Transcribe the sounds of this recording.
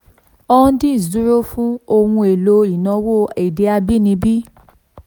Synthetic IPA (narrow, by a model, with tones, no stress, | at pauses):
ɔ̃˦˧˦dĩ˦˨zu˦ɾo˦fũ˦o˧wũ˧e˨lo˧i˨nã˧wo˦˨ɛ˨de˨˧a˧bi˦˨nĩ˧bi˦